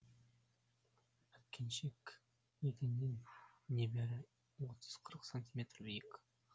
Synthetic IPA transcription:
æt̪̚kʲʰenʃek | et̪ʲɪnːennʲebeɾɪ | wot̪ʰə̥z̥qʰəɾəqsanʲt̪ʲimʲe̞t̪rbijek

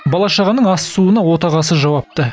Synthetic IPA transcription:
bɑlˠɑʃɑʁɑnəɴɑsːuənɑwo̞t̪ɑʁɑsəʒɑwɑp̚t̪ə

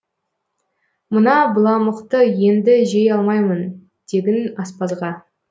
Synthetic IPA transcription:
mənɑbəlˠɑməqt̪əje̞nd̪ɪʒe̞jɑlˠmɑjmən | d̪̥e̞ɡʲɪnɑspɑzʁɑ

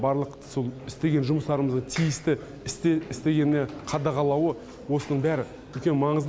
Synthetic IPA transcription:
bɑɾlˠəq | solˠɪst̪e̞ɡʲe̞nʒʊməst̪ɑɾəməzd̪əɴt̪ʰijɪst̪ɪ | ɪst̪eɪst̪e̞ɡʲe̞nːe̞qʰɑd̪ɑʁɑlˠɑwə | wo̞sənəɴbæɾɪ | ʏlkʲe̞nmɑɴəzd̪

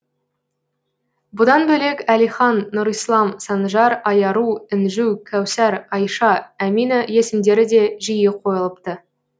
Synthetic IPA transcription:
bʊd̪ɑnbɵle̞kælijχɑnːʊɾijslˠɑmsɑnʒɑɾɑjɑɾuɪnʒuwkʲʰæwsæɾɑjʃɑæminəje̞sɪmd̪e̞ɾɪd̪e̞ʒijɪqʰo̞jəlˠəp̚t̪ə

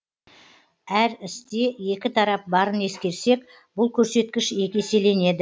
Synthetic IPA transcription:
æɾɪst̪e̞je̞kʲɪt̪ʰɑɾɑp̚bɑɾəne̞skʲe̞ɾse̞k | bʊlˠkʲʰɵɾse̞t̪̚kʲɪʃe̞kʲe̞se̞le̞ne̞d̪ɪ

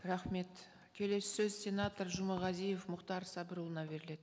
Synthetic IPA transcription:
rɑχme̞t̪ | kʲʰe̞le̞sɪ̥sɵzsʲe̞nat̪ərʒʊməʁɑzije̞fmʊqt̪ɑɾsɑbəɾulˠənɑbe̞ɾɪle̞d̪̥

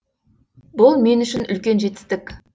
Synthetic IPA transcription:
bʊlˠme̞nʏʃɪnʏ̰lkʲe̞nʒe̞t̪ɪ̥st̪ɪkʲ

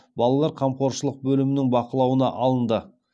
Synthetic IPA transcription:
bɑlˠɑlˠɑɾqʰɑmqʰo̞ɾʃəlˠəq̚bɵlɪmɪnɪŋbɑqəlˠɑwənɑ̰ʔɑlˠənd̪ə

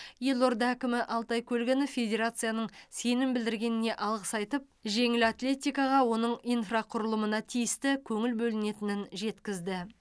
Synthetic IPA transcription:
jelˠord̪ɑækʲɪmɪʔɑlˠt̪ɑjkʲʰɵlɡʲɪnɪfʲe̞d̪ʲe̞ɾat̪sɨjanəɴse̞nɪmbɪld̪ɪɾɡʲe̞nɪne̞ʔɑlˠʁəsɑjt̪əp̚ʒe̞ŋɪlat̪lʲe̞t̪ʲijkɑʁɑwo̞nəɴijnfraqʰʊɾəlˠəmənɑt̪ʰijɪst̪ɪkʲʰɵŋɪlbɵlɪne̞t̪ɪnɪnʒe̞t̪kʲɪzd̪ɪ

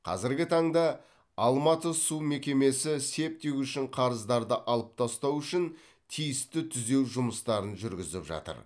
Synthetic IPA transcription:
qʰɑ̰zɪɾɡʲɪt̪ʰɑɴd̪ɑ | ɑlˠmɑt̪əsume̞kʲe̞me̞sɪse̞p̚t̪ewʏʃɪɴqʰɑɾəzd̪ɑɾd̪əʔɑlˠəp̚t̪ʰɑst̪ɑwʏʃɪn | t̪ʰijɪst̪ɪt̪ʰʏze̞wʒʊməst̪ɑɾənʒʏɾɡʲɪzɪpʒɑ̰t̪ə̰ɾ

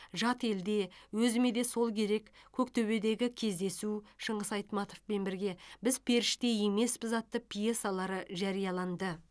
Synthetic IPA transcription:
ʒɑt̪e̞ld̪e̞wɵzɪme̞d̪e̞so̞lˠkʲʰe̞ɾe̞kkʲʰɵkt̪ʰɵβe̞d̪e̞ɡʲɪkʲʰe̞zd̪e̞suʃəɴəsɑjt̪mɑt̪ofpenbɪɾɡʲe̞bɪzpʰe̞ɾɪʃt̪e̞je̞me̞sbɪzɑt̪ːəpʰʲijesɑlˠɑɾəʒɑɾijɑlˠɑnd̪ə

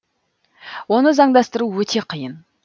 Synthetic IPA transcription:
wo̞nəzɑɴd̪ɑst̪əɾuwɵt̪ʰe̞qʰəjən

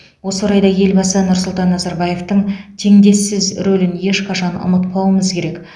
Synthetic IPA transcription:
wo̞soɾɑjd̪ɑje̞lbɑsənʊɾsʊlˠt̪ɑnːɑzɑɾbɑje̞ft̪əɴt̪ʰe̞ŋd̪e̞sːɪzɾolɪnje̞ʃqʰɑʃɑnʊ̰mət̪pʰɑwəməzkʲʰe̞ɾe̞k

